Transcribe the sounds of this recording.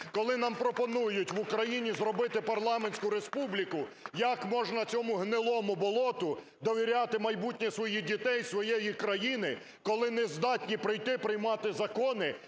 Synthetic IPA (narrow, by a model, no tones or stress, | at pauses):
kɔlˠɪnɑmpɾɔpɔnujʊtʲʋʊkɾɐjinʲizrɔbɪt̪ɪpɐrlˠɑmenʲsʲkʊɾespublʲikʊjɐkmɔʒnɐt͡sʲɔmʊɦnɪlˠɔmʊbɔlˠɔt̪ʊ | d̪ɔʋʲiɾʲat̪ɪmɐjbutʲnʲɛsʋɔjidʲit̪ɛjsʋɔjejikɾɐjinɪ | kɔlˠɪnɛzd̪ɑtʲnʲipɾɪjt̪ɪpɾɪjmɑt̪ɪzɐkɔnɪ